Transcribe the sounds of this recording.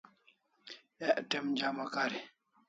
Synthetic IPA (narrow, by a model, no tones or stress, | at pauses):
ɛʔtɛmd͡ʒamakaɾi